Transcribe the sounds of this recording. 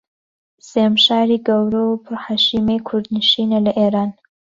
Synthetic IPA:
semʃaːɾiɡɐwɾopʰʊɾhaːʃiːmejkʰʊɾd̪nɨʃiːnelɐʔeːɾaːn

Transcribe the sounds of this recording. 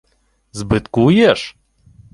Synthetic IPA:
zbɨt̪kujɛʂ

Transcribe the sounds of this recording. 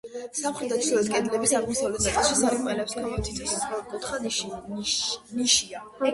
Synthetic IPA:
samχɾɛd̪at̪ʰɔlɛt̪kʼɛd̪lɛbisaʁmɔsavlɛt̪ʰsat̪ʼɛlˠʃisaɾimɛlɛpsɡamɔt̪ʰit̪ʰisɛsɡʼɔkʼut̪χa | niʃia

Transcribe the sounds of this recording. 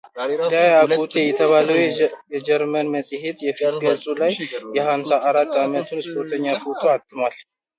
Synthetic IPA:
d̪ajaɡut̪ʰejɛt̪ʰəβaləwjɛd͡ʒɛɾmənməsʼhet̪jɛfit̪ʰɡəlsʼulajjɛhamsaʔːɾat̪ːamət̪ʰunspʰoɾt̪ʰəɲːafut̪ʰoat̪ʼːɨmal

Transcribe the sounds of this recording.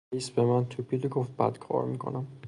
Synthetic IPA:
isbemænt̪ʰupʰiloɡoft̪̚bæ̰d̪̥kʰɒ̰ːɾmikʰo̰næm

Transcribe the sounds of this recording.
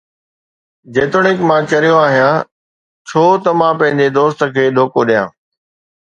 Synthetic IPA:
d͡ʑeːt̪ʊɽɪkmãt͡ɕɐɾijoaːɦijã | t͡ɕʰoːt̪ɐmãpɐ̃ɦɪ̃ɲd͡ʑed̪oːst̪ə̆kʰeːɗ̪ʱoːkoɗijãː

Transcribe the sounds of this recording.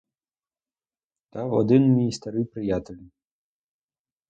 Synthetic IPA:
t̪avɔ̰d̪ɨnmʲist̪ɐɾɨjpɾɨjat̪ʲəlʲ

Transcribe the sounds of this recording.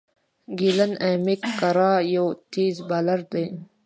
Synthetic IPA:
ɡilɐneːmikːɐɾaːjot̪iːzbalɐɾd̪e

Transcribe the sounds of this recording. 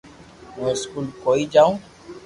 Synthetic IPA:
mũskuːlkoːid͡ʒaːũː

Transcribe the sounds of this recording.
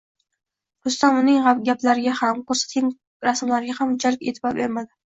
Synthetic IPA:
hʊst̪anʊnɪŋʁapɡʲaplaɾɪɡʲahamkʰɵɾsḁt̪ʰɪŋ | ɾasmlaɾɪɡʲahamd͡ʒʰaɾkʲḛt̪ʰɪbɒɾbeɾmad̪ɪ

